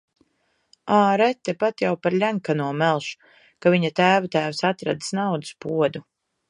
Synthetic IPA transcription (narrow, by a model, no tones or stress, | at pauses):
aːɾɛt̪ːɛpat̪jawpaɾʎʲaŋkanuɔmɛlˠʃu̥ | kaviɲat̪æːvat̪æːvsat̪ɾa̰d̪ɨ̥snawd̪ɨ̥spuɔd̪u